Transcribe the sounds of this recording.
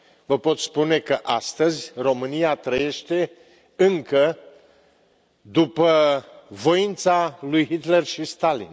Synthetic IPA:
vəpo̞t̪spune̞kəʔast̪əzʲro̞mɨniat̪ɾəje̞ʃt̪e̞ | ɨŋkə | d̪upəvo̞int̪salujɦit̪le̞rʃist̪alḭn

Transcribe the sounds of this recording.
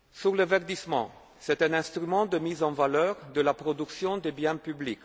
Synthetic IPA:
syʁlevɛʁd̪ismɑ̰̃ | sɛt̪ɛ̃nɛ̃st̪ʁymɑ̃d̪əmizɑ̃valœʁd̪əlapʁɔd̪yksjɔ̃d̪ebjɛ̃pyblik

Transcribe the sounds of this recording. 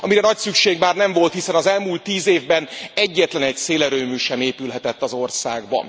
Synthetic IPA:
ɒmiɾɛnɒcsykʃeːɡmaːrnɛɱvo̞lt̪hisɛnɒzɛlmuːlt̪ːiːzeːvbɛnɛɟːɛt̪lɛnɛcseːlɛɾøːmyːʃɛmeːpylɦɛt̪ɛt̪ːɒzo̞rsaːɡbɒ̰n

